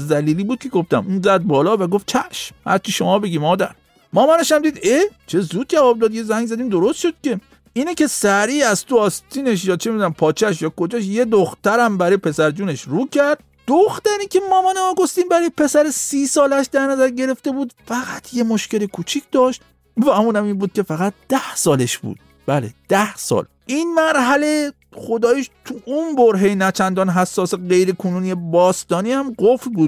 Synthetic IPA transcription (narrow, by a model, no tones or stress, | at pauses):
zd̪æliːliːbuːd̪̚cʰeɡo̞ft̪æ̰muːnzæd̪̚bɒːlɒːvæɡof̚t͡ʃʰæʃmhæ̰ɾt͡ʃʰiʃo̞mɒːbeɡʲiːmmɒːd̪æ̰ɾ | mɒːmæneʃæmd̪iːd̪et͡ʃʰe̞zuːd̪̚d͡ʒævɒːb̚d̪ɒːd̪je̞zæŋɡzæd̪iːmd̪o̞ɾost̪ʃod̪̥̚kʲe̞ | iːnekʲe̞sæɾiːæz̥t̪oɒːst̪ʰiːneʃ̬jɒːt͡ʃʰemid̪unæmpʰɒːt͡ʃʰæʃ̬jɒːkʰod͡ʒɒːʃje̞d̪oxt̪æɾæmbæɾɒːjepʰe̞sæɾd͡ʒuːneʃɾuːkʲʰæɾd̪̥̚ | d̪̥oxt̪æɾiːkʲʰe̞mɒːmɒneɒːɡo̞st̪iːnbæɾɒːjepʰe̞sæɾesiːsɒːlæʃd̪æɾnæzæɾɟe̞ɾe̞ft̪e̞buːd̪fæɣæt̪ʰje̞moʃce̞lekʰuːt͡ʃʰicd̪ɒːʃt̪ | væmuːnæmiːnbuːd̪̚kʲʰe̞fæɣæt̪̚d̪̥æhsɒːle̞ʃb̥ṵd̪̥ | b̥ælḛd̪̥æhsɒ̰ːl | ʔiːnmæɾɦæle̞ | xod̪ɒːjiʃt̪ʰuʔunboɾɦejnæt͡ʃʰænd̪ɒːnɦæsːɒːseɢe̞jɾekʰonuːnijebɒːst̪ɒːniːhæmɢofɾbuːd̪̥̚